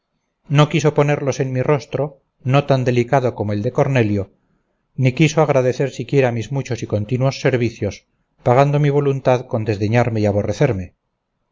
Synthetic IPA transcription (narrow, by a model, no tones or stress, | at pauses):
no̞kiso̞po̞ne̞ɾlo̞se̞nmiro̞st̪ɾo̞ | no̞t̪and̪e̞likaðo̞ko̞moeld̪e̞ko̞ɾne̞ljo̞ | nikisoaɣɾaðe̞θe̞ɾsikje̞ɾamizmut͡ʃo̞siko̞nt̪inwo̞sːe̞ɾβiθjo̞s | paɣand̪o̞miβ̞o̞lunt̪aðko̞nd̪e̞zðe̞ɲaɾme̞iaβo̞reθe̞ɾme̞